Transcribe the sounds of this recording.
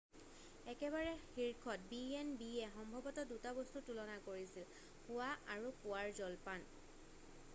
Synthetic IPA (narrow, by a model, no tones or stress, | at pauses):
ɛkɛβaɹɛxiɹkʰɔt̚biɛnbiɛxɔmbʱɔbɔtɔdutabɔstutulɔnakoɹisil | hʊaʔaɹupʊwaɹzɔlpan